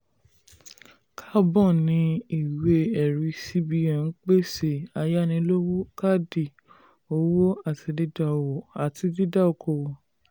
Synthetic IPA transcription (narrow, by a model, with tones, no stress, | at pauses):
kʰa˦bɔ̃˦˨nĩ˨˧˦i˦˨we˧˦ɛ˨ɾi˧si˦bi˧ã˨n̩˦k͡pe˦se˦˨a˧ja˦nĩ˧lo˦wo˦ka˦di˨ | o˨˦wo˦a˦˨ti˨˧di˦da˦˧˨wɔ˨a˨ti˧di˦da˦o˨ko˨wɔ˨